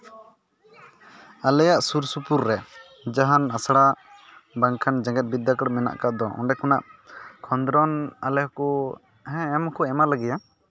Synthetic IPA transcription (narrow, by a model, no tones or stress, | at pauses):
alɛjaʔsuɾsupuɾːɛ | d͡ʒaɦanasɽa | baŋkʰand͡ʒãŋɡɛt̪̚bid̪ːakəɽmɛna̰ʔkaʔd̪ɔʔɔ̰ɳɖɛkuna̰ʔkʰɔnd̪ɾɔnalɛhkɔ | ɦɛ̃ɛmkɔɛmalaɡɛja